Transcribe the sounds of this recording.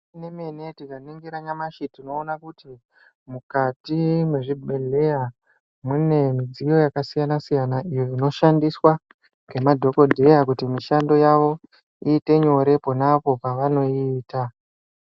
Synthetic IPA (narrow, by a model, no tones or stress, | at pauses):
inemene̞tikaniŋɡiɾaɲamaʃitino̞ːnakuti | mukatimwe̞ʐibʱe̞le̞ja | mune̞mid͡zijo̞jakasijanasijanaʔijoino̞ʃandiswa | ɡe̞madʱo̞ko̞dʱe̞jakutimiʃando̞jaʋo̞ | iːte̞ɲo̞ɾe̞po̞napo̞paʋano̞iːta